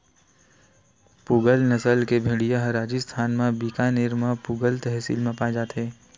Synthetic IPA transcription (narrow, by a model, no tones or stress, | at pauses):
puːɡəlnəsəlkebʱeɽijaɦɐɾaːd͡ʒist̪ʰaːnmãbiːkanɪɾmãpuːɡəlt̪ɛɦsḭlmẽpaːd͡ʒaːt̪ɦeː